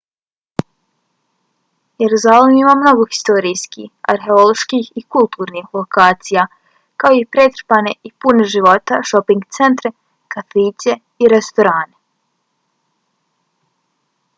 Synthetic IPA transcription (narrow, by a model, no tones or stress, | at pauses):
jeɾuzalemimamno̞ɡoxi̥st̪o̞ɾijskḭha̰ɾɦe̞o̞lo̞ʃkihikulˠt̪uːɾnixlo̞kaːt̪sija | kaoipɾet̪ɾpane̞ipuneʒiʋo̞t̪aʃo̞piŋɡt̪se̞nt̪ɾe | kafiːsʲe̞ | iɾest̪o̞ɾaːne